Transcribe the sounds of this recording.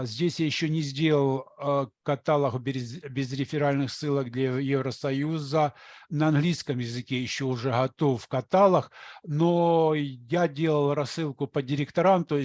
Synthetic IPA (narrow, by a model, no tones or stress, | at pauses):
zʲdʲesʲjajɪɕːonʲɪzʲdʲelˠəlˠkɐt̪alˠəxbʲzbʲɪzɾʲɪfʲɪɾalʲnɨxsːɨlˠək̚d̪lʲɐjevɾəsɐjuzənɐɐnɦlʲiskəmjɪzɨkʲejɪɕːo̞ʊʐɛɦɐt̪o̞fkɐt̪alˠəxnojadʲe̞lˠəlˠrɐsːɨlˠkʊpədʲɪɾʲɪkt̪ɐɾamt̪oɪ